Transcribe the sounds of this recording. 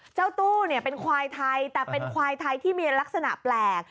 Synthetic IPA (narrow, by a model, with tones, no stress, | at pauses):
t͡ɕa˥˩wt̪uː˥˩ni˥˩əpe˧nkʰwaː˧jt̪ʰa˧jt̪ɛː˨˩pe˧nkʰwaː˧jt̪ʰa˧jt̪ʰiː˥˩miː˧la˦˥k̚sa˧na̰˨˩ʔplɛː˨˩k̚